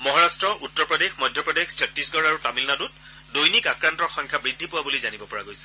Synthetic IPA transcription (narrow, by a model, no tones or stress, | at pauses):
mɔɦaɹastɹɔʔutːɔɹpɹɔdexmɔjdʱjɔpɹɔdexsɔp̚tisɡɔɹaɹutamilnadut̚ | dojnikakɹantɔxɔ̃ŋkʰabɹidʱːipʊwabulizanibɔpɔɹaɡojsɛ̥